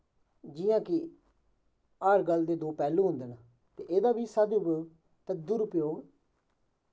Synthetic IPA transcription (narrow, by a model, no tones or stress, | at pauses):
d͡ʒɪjãːkɪ | aːɾɡəld̪eːd̪oːpɛːlũːɦʊ̃nd̪eːnaː | t̪eːʔeːd̪aːbiːsəd̪ʊpːɡ | t̪əd̪ʊɾʊpjoːɡ